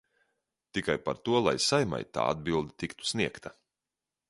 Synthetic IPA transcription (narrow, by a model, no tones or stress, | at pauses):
t̪ikajpaɾt̪uɔlˠa̰jsajma̰jt̪a̰ːa̰d̪bilˠd̪it̪ikt̪u̥sniɛkt̪ɐ